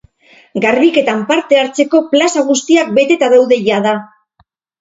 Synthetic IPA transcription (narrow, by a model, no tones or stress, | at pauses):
ɡaɾβike̞t̪ampaɾt̪e̞aɾt͡se̞ko̞plasaɣ̞ust̪iak̚be̞t̪e̞t̪aðawðe̞ʝaða